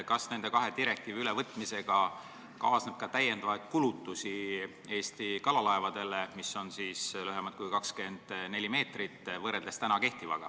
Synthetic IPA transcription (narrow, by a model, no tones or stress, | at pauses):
kɑsne̞nd̪e̞kɑɦe̞d̪iɾe̞k̚t̪iːviylevɤt̪ːˑmise̞ɡ̥ɑ | kɑːsneb̥̚kɑt̪æje̞nd̪̥ɑvɑjd̪̥̚kulut̪ːˑusi | e̞ːst̪ikɑlɑlɑevɑd̪̥e̞lemisːo̞nsiːsløɦemɑt̪̚kujkɑkske̞nd̪̥ne̞lʲime̞ːt̪rit̪ːˑvɤred̪lest̪ænɑke̞ht̪ivɑ̰ɡ̥ɑ̰